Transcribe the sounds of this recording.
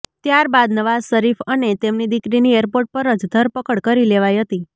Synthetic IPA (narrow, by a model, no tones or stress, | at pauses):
t̪jaɾbad̪nəʋazsəɾifənet̪emnid̪ikɾinieɾpoɾʈ̚pəɾəd͡ʒd̪ʱəɾpəkəɽkəɾileʋajɦət̪i